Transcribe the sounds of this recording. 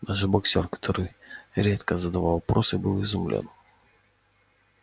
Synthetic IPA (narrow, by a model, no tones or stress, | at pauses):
d̪aʐɨbɐksʲorkɐ̥t̪ʰoɾɨjɾʲet̪kəzəd̪ɐvalˠvɐpɾʔo̞sɨbɨlˠɪzʊmlʲo̰n